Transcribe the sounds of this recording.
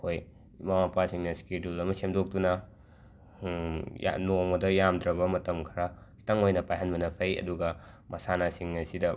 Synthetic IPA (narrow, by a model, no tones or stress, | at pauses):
hoj | mawapʰasiŋnɐskidulɐmɐsemdok̚dunɐ | ja̰noŋɐdɐjamdɾɐbɐmɐtɐmkʰɐɾakʰi̥tɐŋojnɐpajɦɐnbɐnɐpʰɐjɐ̰duɡɐ | mɐsanasiŋnɐsidɐ